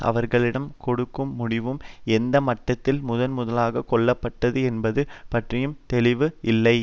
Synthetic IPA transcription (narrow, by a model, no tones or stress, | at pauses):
ʔɐ̰ʋɐɾɣɐɭɪɽɐmkɔɽɯkːɯmːʊɽɪʋɯmɛnd̪ɐmɐʈːɐt̪ːɪlmʊðɐnmʊðɐlaːɣɐkɔɭːɐpːɐʈːɐðɯɛnbɐðɯpɐʈrɪjɯmt̪ɛlɪʋɯʔɪlːɐɪ